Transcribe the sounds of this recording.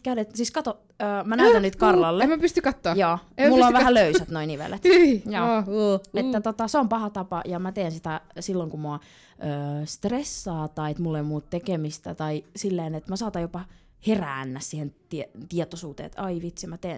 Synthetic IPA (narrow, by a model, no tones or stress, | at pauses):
kæynet̪siːskɑt̪o | øːmænæyt̪ænnyt̪kɑrlɑlːeemæpyst̪ykɑt̪ːoːjoːemulːoʋæhæløysæt̪noiniʋḛlet̪joːet̪ːæt̪ot̪ɑseompɑhɑt̪ɑpɑjɑmæt̪eːnsit̪æsilːoŋkumoɑ | ʔøːst̪resːɑːt̪ɑiet̪mulːemuːt̪t̪ekemist̪æt̪ɑisilːeːnet̪mæsɑːt̪ɑjopɑ | heræːnːæssiːhent̪iet̪iet̪osuːt̪ḛːt̪ɑiʋit̪simæt̪eːn